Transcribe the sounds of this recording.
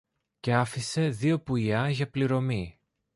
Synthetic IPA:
ce̞ɐfise̞ðio̞puʎɐʝɐpliɾo̞mi

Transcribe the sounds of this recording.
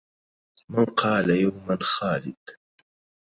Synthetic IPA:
manqɑːlajawmanxɑːlɪ̰d̪̥

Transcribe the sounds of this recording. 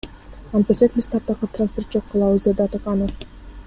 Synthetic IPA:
ɑnt̪̚b̪e̞se̞k̚biz̥t̪ʰɑp̚t̪ɑqɯpt̪ransport̪̚d͡ʒo̞qːɑlˠɑβɯzd̪e̞d̪ɑt̪ɯqɑnof

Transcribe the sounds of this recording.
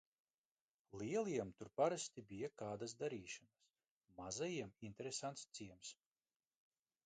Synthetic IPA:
liɛlˠiɛmt̪uɾpaɾast̪ibijakaːd̪as̬d̪aɾiːʃanas | mazajiɛmint̪eɾesant̪st̪siɛms

